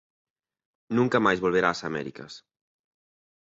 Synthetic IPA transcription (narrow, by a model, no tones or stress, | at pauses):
nuŋkamajzβolβeɾasamɛ̰ɾikə̰s